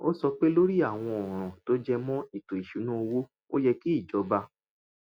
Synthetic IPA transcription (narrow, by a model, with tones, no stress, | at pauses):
o˦sɔ˧k͡pe˦lo˦ɾi˦a˦˨w̃ɔ̃˧ɔ˨ɾ̃ã˨to˦d͡ʒɛ˧mɔ̃˦i˦˨to˨i˨ʃu˨˦nũ˦o˧wo˦ | o˦jɛ˧ki˦i˦˨d͡ʒɔ˨˧ba˧